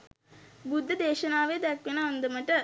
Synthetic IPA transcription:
bud̪ʱːəd̪eːʃɐnaːʋejd̪ɛkʋenəand̪əməʈə

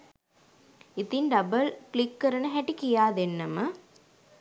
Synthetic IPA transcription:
it̪inɖɐbɐlklikːɐɾɐnɐɦæʈːikijaːd̪enːɐmɐ

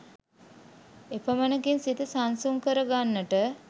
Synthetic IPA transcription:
epəmənəkinsit̪əsansuŋkəɾəɡanːəʈə

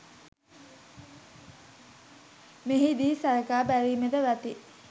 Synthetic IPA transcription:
meɦid̪iːsaɾəkaːbæɾiːmed̪əʋat̪i

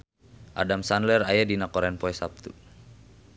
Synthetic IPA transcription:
ʔa̰damsanlɛrajadinakɔɾɛnpɔɛsap̚t̪u

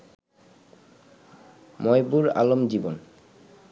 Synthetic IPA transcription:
mɔjbuɾa̰lomd͡ʑibon

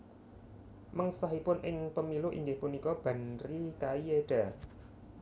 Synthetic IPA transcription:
məŋsaɦipʊnʔɪŋpəmiluʔḭŋɡɪhpunikɔb̥a̤nɾikaieɖ̥a

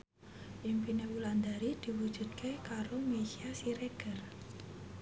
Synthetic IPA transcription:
ʔimpinewuland̪aɾid̪̥i̤wu̥d͡ʒ̥ṳt̪̚kʰekaɾomesiasiɾeɡ̥ə̤r

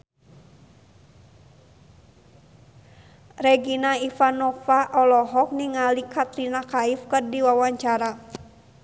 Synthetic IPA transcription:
rɛɡinaifanɔfaʔɔlɔɦɔk̚niŋalikʰat̪ɾinakaifkɨrdiwawaɲt͡ʃaɾa

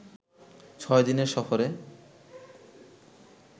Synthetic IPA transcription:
t͡ɕʰɔed̪ineɾʃɔfoɾe

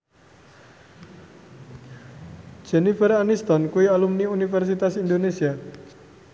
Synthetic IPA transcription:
d͡ʒ̥e̤nifəɾanist̪ɔnkuialumniunifɛrsit̪asind̪onesia

